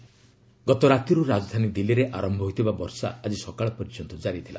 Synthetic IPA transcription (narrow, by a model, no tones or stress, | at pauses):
ɡɔt̪ɔɾat̪ɔɾuɾad͡ʒɔd̪ʱanid̪ilːiɾeʔaɾɔmbʱɔɦojt̪ʰibabɔɾsa̰ːd͡ʒisɔkaɭɔpɔɾid͡ʒt͡ʃɔnt̪ɔd͡ʒaɾit̪ʰila̰